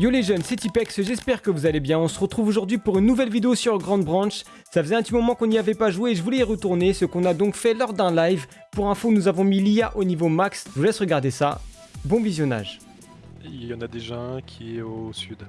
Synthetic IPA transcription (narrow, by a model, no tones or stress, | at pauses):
joleʒœnsɛt̪ipɛksʒɛspɛʁkəvuzalebjɛ̃ɔ̃səʁət̪χuvoʒuʁd̪ɥipuʁynːuvɛlvid̪eosyʁɡʁɑ̃d̪̚bʁɑ̃ʃ | safəzɛ̃p̚ət̪imɔmɑ̃kɔ̃niavɛpaʒweːʒəvulɛiʁət̪uʁnesəkɔ̃nad̪ɔ̃kfɛlɔʁd̪ɛ̃lajv | puʁɛ̃fonuzavɔ̃milijaʔonivomaksʒulɛsʁəɡaʁd̪esa̰ | bɔ̃vizjɔna̰ʒ | iljɑ̃nad̪eʒɑ̃kʲʰiɛosyd̪